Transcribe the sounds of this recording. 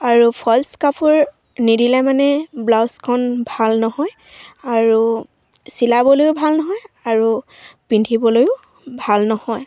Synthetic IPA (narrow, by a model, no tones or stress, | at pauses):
aɹupʰɔlskapʰʊɹ | nidilɛmanɛblawskʰɔnbʱalnɔhɔj | aɹu | silabɔlojʊbʱalnɔɦɔjaɹu | pindʱibɔlojʊ | bʱalnɔhɔj